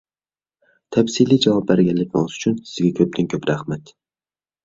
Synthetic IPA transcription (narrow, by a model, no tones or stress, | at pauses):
t̪ʰɛpsilijd͡ʒɑwɑp̚bæɾɡʲɛnlːɪk̚ʲnɪ̰ŋzyt͡ʃʰynsɪ̥zɡʲɛkʲʰøp̚t̪ʰɪnkʲʰøpɾæχmɛt̪